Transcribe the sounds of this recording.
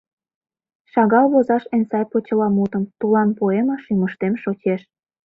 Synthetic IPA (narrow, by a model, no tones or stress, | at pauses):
ʃɑɣɑlβozɑʃensɑjpot͡ɕə̆lɑmut̪ə̆mt̪ulɑnpoemɑʃyməʃt̪emʃot͡ɕeʃ